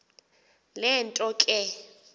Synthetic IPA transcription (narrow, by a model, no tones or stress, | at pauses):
lɛntʼɔkʼɛ